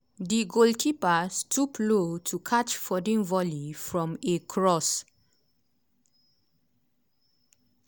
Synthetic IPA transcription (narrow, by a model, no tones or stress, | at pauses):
diɡolkʰipastʰuplotʰukʰat͡ʃfɔdĩŋvɔlifɹɔ̃mekʰɹɔs